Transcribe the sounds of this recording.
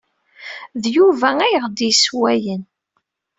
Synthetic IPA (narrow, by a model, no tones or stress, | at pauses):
ðjuvææjʁd̪iswæjən